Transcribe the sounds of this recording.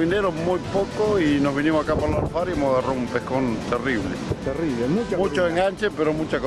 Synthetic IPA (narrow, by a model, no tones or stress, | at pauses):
ineɾomujpokoinozβinimosakapaɾlaɾfaɾjemohɣaroumpehkont̪eriβlḛt̪erileut͡ʃmut͡ʃoeŋɡant͡ʃepeɾomut͡ʃako